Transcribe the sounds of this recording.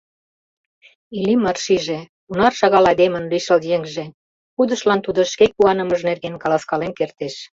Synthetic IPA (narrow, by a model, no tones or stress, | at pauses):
ilimɑrʃiʒe | unɑrʃɑɣɑlɑd̪emə̆nliʃəljeŋʒĕ | xud̪ə̆ʃlɑnt̪ud̪ŏʃkekuɑnə̆məʒnerɣenkɑlɑskɑlenkert̪eʃ